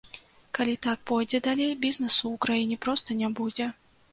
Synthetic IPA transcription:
kalʲit̪ak̚pɔjd͡zʲɛd̪alʲejbʲiznɛsuːkɾajinʲɛpɾɔst̪ɐnʲabud͡zʲɛ

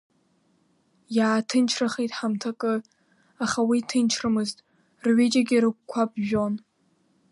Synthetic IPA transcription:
jaːtʰɨnt͡ʃʰraχejtʼħamtʰakʼɨ | aχawitʰɨnt͡ʃʰrɨmɨztʼ | rɥed͡ʒaɡʲiɾɨk̚ʷkʷʰabʒᶣon

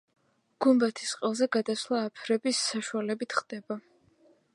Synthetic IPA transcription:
ɡ̥umbat̪ʰisqʼɛlˠzɛɡad̪aslˠaːpʰɾɛbisːaʃualɛbit̪ʰχd̪ɛba

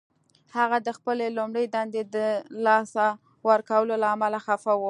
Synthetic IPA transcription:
haɣad̪əxpəlelumɽəjd̪and̪ed̪əlɑsa | wəɾkawəlolaːmalaxafawu

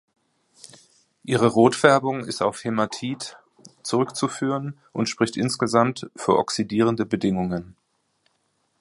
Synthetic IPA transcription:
ʔiːʁ̞əʁoːtfɛɐbʊŋɪsta̰ʊfhematʰiːt | t͡suʁʏkt͡sufyːʁən | ʔʊntʃpʁ̥ɪçtʔɪnsɡ̥əzamtfyːɐʔɔ̰ksidiːʁ̞əndəbədɪŋʊŋən

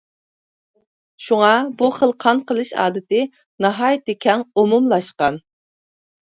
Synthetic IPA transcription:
ʃuŋɑbuχəlˠqʰɑnqəlˠɨʃɑ̰ːd̪ɨt̪ʰɪ | nɑɦɑjt̪ːɪkʲʰɛŋomumlˠɑʃqɑn

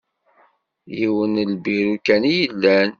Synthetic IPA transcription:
jiwənlbiɾukænijəlːæn

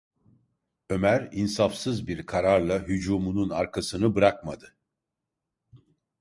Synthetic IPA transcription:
ø̞mæɾinsafsɯzbiɾkʰaɾaɾlˠaɦyd͡ʒuːmununaɾkʰasɯnɯbɯɾak̚mad̪ɯ

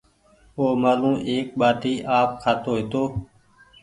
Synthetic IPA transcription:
oːmaːlũːʔeːk̚ɓaːt̪iːʔaːp̚kʰaːt̪oːɦeːt̪oː

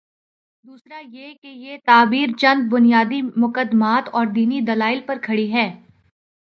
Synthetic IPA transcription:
d̪uːsɾajekejet̪aːbiːɾt͡ʃɐ̃nd̪̚bʊnijaːd̪imʊkəd̪maːt̪ɔːɾd̪iːnid̪ɐlaːɪlpɐɾkʰɐɽiɦɛː

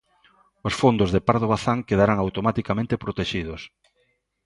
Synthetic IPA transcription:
osfond̪ʊzðepaɾðoβaθaŋkeðaɾaŋawt̪omat̪ikamẽnt̪epɾot̪eʃið̞ʊs

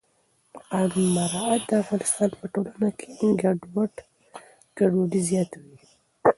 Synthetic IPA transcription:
qanmaɾɑat̪̚d̪əafɣɑnɪst̪ɑnpəʈolanakʰeɡaɖwaʈ | ɡ̥aɖoɖizjɑt̪awi

